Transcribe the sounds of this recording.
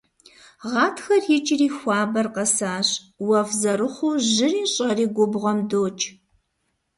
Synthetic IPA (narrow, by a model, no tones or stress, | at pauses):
ʁɑːtʰxɐrjɪt͡ʃʼɪriːxʷɑːbɐrqɐsaːɕ | wɐfzɐɾɨχʷuːʑɪriːɕʼɐriːɡʷʊbʁʷɔmdoːt͡ʃʼ